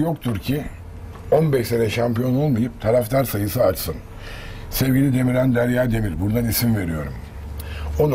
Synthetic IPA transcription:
jo̞kt̪ʰuɾcʰi | o̞nbɛʃse̞nɛʃampijo̞no̞lˠmajɯp̚t̪ʰaɾaft̪ʰaɾsajɯsɯat͡ʃsɯn | sɛvɟilʲid̪e̞miɾand̪æɾjaːd̪e̞miɾbuɾd̪anisimve̞ɾijo̞ɾum | o̞n

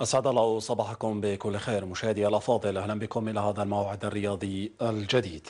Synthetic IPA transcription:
ʔasʕad̪alˤːɑːwsˤɑbɑːħakʊmbɪkʊlːxeːɾmʊʃaːhɪd̪iːʔalʔɑfɑːd̪ˤɨlʔahlanbɪkʊmʔɪlahaːðalmawʕɪd̪arːɪjɑːd̪ˤiald͡ʒad̪iːd̪̥

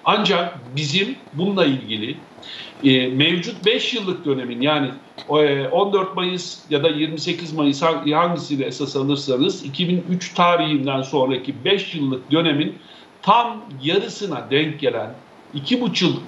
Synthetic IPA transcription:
and͡ʒak̚bizimbunuailʲɟilʲi | mevd͡ʒut̪̚bɛʃjɯlˠːɯk̚d̪ø̞ne̞minjaːnɪ | ʔo̞nd̪øɾt̪̚majɯz̥jad̪ajiɾmise̞cizmajɯshahaɲɟisinɛesasalˠɯɾsanɯzicʰibinyt͡ʃt̪ʰaːɾiɦind̪ænso̞nɾacʰibɛʃjɯlˠːɯk̚d̪ø̞ne̞min | t̪ʰamjaɾɯsɯnad̪ɛɲc̚ɟe̞lʲæn | icʰibut͡ʃʰɯlˠ

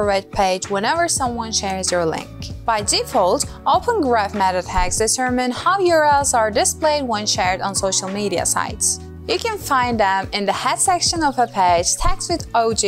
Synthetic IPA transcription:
əɹɛd̚pʰeɪd͡ʒwɛ̃nɛvə˞sʌ̃mwʌ̃nʃɛɹzjə˞lɪ̰̃ŋkb̥aɪd͡ʒifolˠtʔoʊpə̃nɡɹæfmæɾɨdhæksd̥ɨtʰɜ˞mɨ̃nhaʊjəɹɛlˠzə˞dɨspleɪd̚wɛ̃nʃɛɹdn̩soʊʃl̩ˠmiɾiɨ̰sa̰ɪts | jɨkɨ̃nfãɪ̃nd̪ðə̃mɨ̃nðɨhɛdsɛkʃɨ̃nʌvəpʰeɪd͡ʒ̥tʰækswɨðoʊd͡ʒi

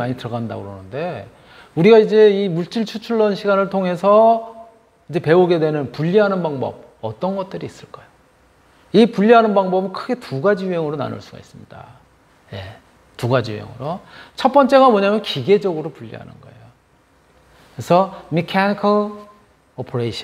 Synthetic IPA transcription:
maɲitɯɾʌɡanda̰ɡɯɾʌnɯnde̞ | uɾiɡaid͡ʑe̞imuɭt͡ɕ͈iɭt͡ɕʰut͡ɕʰuɭːʌnɕʰiɡanɯɭtʰoŋe̞sʰʌ | id͡ʑe̞pe̞oɡe̞dwe̞nɯnpuʎːiɦanɯnbaŋbʌ̰b̚ | ʌt͈ʌnɡʌt̚t͈ɯɾiis͈ɯɭk͈ajo | ipuʎːiɦanɯnbaŋbʌbɯnkʰɯɡe̞tuɡad͡ʑijuɦeŋɯɾona̰nṵɭs͈uɡa̰is͈ɯmɲida̰ | je̞̰ | tuɡad͡ʑiṵɦḛŋɯ̰ɾot͡ɕʰʌt̚p͈ʌnt͡ɕ͈e̞ɣamʌɲamjʌnkiɡe̞d͡ʑʌɡɯɾopuʎːḭɦa̰nɯ̰nɡʌ̰e̞̰jo | kɾesʰʌmikʰanikʰʌ | opʰoɾeiɕʰi

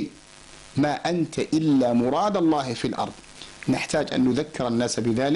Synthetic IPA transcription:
maːʔant̪aʔɪlːaːmʊɾˤɑːd̪ɑlˤːɑːhɪfilʔɑ̰ɾˤðˤ | naħt̪aːd͡ʒʔa̰nːʊðakːɪɾanːaːsbɪðaːlɪ

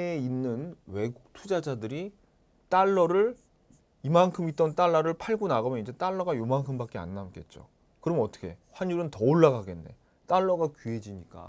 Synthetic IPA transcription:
einːɯnwe̞ɡuk̚tʰud͡ʑad͡ʑadɯɾi | t͈aɭːʌɾɯɭ | imankʰɯmit̚t͈ʌnt͈aɭːaɾɯɭpʰaɭɡonaɡɯmjʌnid͡ʑe̞t͈aɭːʌɡajomaŋkʰɯmbak͈ea̰nːamk͈e̞̰t̚t͡ɕ͈o̰ | kɯɾʌmʌt͈ʌ̥ɡʰe̞̰ɸwaɲjuɾɯntʌoɭːaɡaɡe̞nːe̞̰ | t͈aɭːʌɡakɥɦe̞d͡ʑiɲik͈a̰

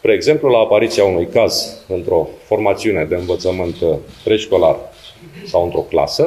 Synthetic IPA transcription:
pɾeːɡze̞mplulaːpaɾit̪siaunujkazɨnt̪ɾo̞fo̞rmat̪siune̞d̪e̞ɨnvət̪səmɨnt̪p̪ɾe̞ʃko̞larsawɨnt̪ɾo̞kla̰sə

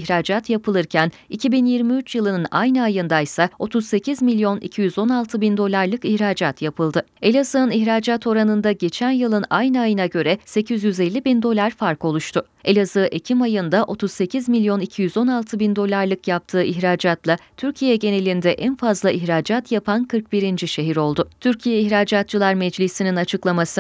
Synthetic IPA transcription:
çɾaːd͡ʒat̪japɯlˠɯɾcʰæn | icʰibinjiɾmiyt͡ʃjɯlˠɯnɯna̰jnɯajɯnd̪ajsao̞t̪ʰuz̥se̞cʰizmilʲjo̞nḭcʰijyzo̞nalˠt̪ʰɯbind̪o̞lʲˠaɾlˠɯkiçɾaːd͡ʒat̪japʰɯlˠd̪ɯ | e̞lʲazɯːniçɾaːd͡ʒat̪ʰo̞ɾanɯnd̪aɟe̞t͡ʃʰænjɯlˠɯnajnɯajɯnaɟø̞ɾɛse̞cʰizjyzelʲːibind̪o̞lʲˠaɾfaɾko̞lˠuʃt̪ʰʊ | e̞lʲazɯːʔe̞cʰimajɯnd̪aʔo̞t̪ʰuzse̞cʰizmilʲjo̞nicʰijyzo̞nalˠt̪ʰɯbind̪o̞lʲˠaɾlˠɯkjap̚t̪ʰɯːʔiçɾaːd͡ʒat̪lˠat̪ʰyɾcʰijɛɟe̞ne̞lʲind̪ɛʔænfazlˠaʔiçɾaːd͡ʒat̪ʰjapʰankʰɯɾk̚biɾind͡ʒiʃe̞ɦiɾo̞lˠd̪ʊt̪ʰyɾcʰijɛiçɾaːd͡ʒat̪̚t͡ʃɯlˠaɾmɛd͡ʒlʲisininat͡ʃʰɯklˠamasɯ

